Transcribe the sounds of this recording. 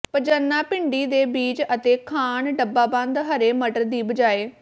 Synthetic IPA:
pəd͡ʒənːaːpɪɳɖiːd̪eːbiːd͡ʒət̪eːkʰaːɳɖəbːaːbãːnd̪ɦəɾeːməʈəɾd̪iːbəd͡ʒaːeː

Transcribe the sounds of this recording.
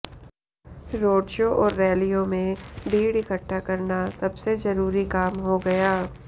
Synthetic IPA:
ɾoːɖʃoːʔɔːɾːɛːlijõmẽbʱiːɽɪkəʈːakɐɾnasɐbsezɐɾuːɾikaːmɦoɡɐjaː

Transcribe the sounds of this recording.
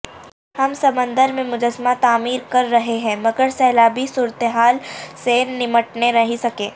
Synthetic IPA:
hɐmsɐmə̃nd̪əɾmẽmʊd͡ʒəsmat̪aːmiːɾkɐɾːɐɦeɦɛ̃ːmɐɡəɾsɛːlaːbʱisuːɾət̪eɦaːlsenɪməʈneɾɐɦisɐkẽː

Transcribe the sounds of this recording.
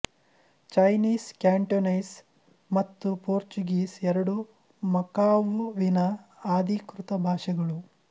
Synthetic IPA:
t͡ʃɐjniːskaːɳʈonɐjs | mɐt̪ːupoːɾt͡ʃuɡiːsɛɾɐɽu | mɐkaːʋuʋinɐaːd̪ʱikɾut̪ɐbʱaːʂɐɡɐɭu

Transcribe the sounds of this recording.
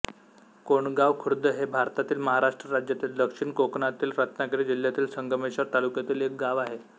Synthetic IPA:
koɳɡaʋkʰuɾd̪ʱəɦebʱaɾt̪at̪iːlməɦaɾaʂʈɾəɾad͡ʑjat̪iːld̪əkʂiɳkokɳat̪iːlɾat̪nakəɽid͡ʑil̤jat̪iːlsəŋɡəmeɕəɾt̪alukjat̪iːlek̚ɡaʋaɦe

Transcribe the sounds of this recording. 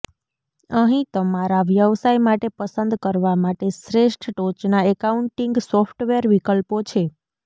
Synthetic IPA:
əɦĩt̪əmaɾaʋjəʋsajmaʈepəsənd̪kəɾʋamaʈeʃɾeʃʈʰʈot͡ʃnaekauɳʈiŋɡsɔfʈʋeɾʋikəlpot͡ʃʰe

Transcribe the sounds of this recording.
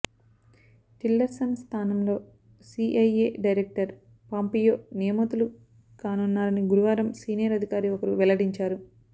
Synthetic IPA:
ʈilɖɐɾsɐnst̪ʰaːnɐmlo̞ː | siʔɐjeːɖɐjɾek̚ʈɐɾ | paːmpiːjoːnijɐmɐt̪ulu | kaːnunːaːɾɐniɡuɾuʋaːɾɐmsiːnijɐɾɐd̪ʱikaːɾiɔkɐɾuʋɛlɐɽiɲt͡ʃaːɾu

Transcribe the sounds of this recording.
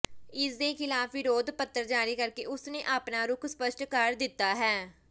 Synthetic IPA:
ɪsd̪eːkʰɪlaːfʋɪɾoːd̪pət̪ːəɾd͡ʒaːɾiːkəɾkeːʊsnẽːʔaːpnaːɾʊkʰspəʃʈkəɾd̪ɪt̪ːaːɦɛː

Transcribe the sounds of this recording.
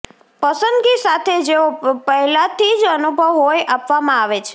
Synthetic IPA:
pəsənd̪ɡisat̪ʰed͡ʒeopəɦlat̪ʰid͡ʒənubʱəʋɦojʔapʋamãaʋet͡ʃʰe̥

